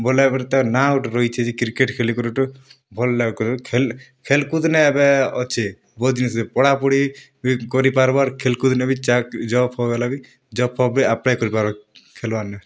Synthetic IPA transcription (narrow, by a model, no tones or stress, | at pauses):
bɔlabɛɾt̪ɛnauʈɾɔit͡ʃʰɛd͡ʒikiɾkeʈkʰelikɔɾuʈu | bʱɔlːakɔɾkʰelkʰelkud̪nɛːbɛɔt͡ʃʰe | bɔd͡ʒnisɛpɔɽapuɽi | bkɔɾipaɾbaɾkʰelkud̪nɛbit͡ʃakd͡ʒɔpʰɔɡɛlabi | d͡ʒɔpʰɔbiapɽajkɔɾipaɾakʰelbaɾnɛ